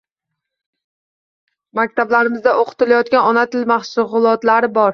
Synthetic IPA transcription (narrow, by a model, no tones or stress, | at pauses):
mak̚ʲt̪ʰablaɾɪmɪzd̪aʔoqʰɨ̥t̪ɪlajɒt̪̚kʲanɒnat̪ʰɪlmahsʊʁʊlˠɒt̪laɾɪbɒɾ